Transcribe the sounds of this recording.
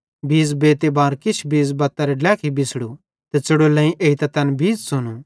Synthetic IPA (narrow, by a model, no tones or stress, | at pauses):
biːzbeːt̪ebaːɾkɪt͡ʃʰbiːd͡zbɐt̪ːɐɾɛɖlɛːkʰibɪsɽu | t̪ɛt͡sɐɽolɛ̃ːĩʔeːit̪ɛt̪ɐnbʱiːzsʊnu